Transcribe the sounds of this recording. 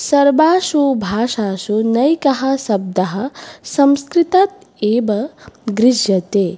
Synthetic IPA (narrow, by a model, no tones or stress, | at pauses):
sɐɾbaːʃubʱaːʃaːʃunɐjkɐɦɐ̆sɐb̚d̪ɐɦɐ̆sɐmskɾit̪at̪ | eːbɐɡɾɪd͡ʒjɐt̪eː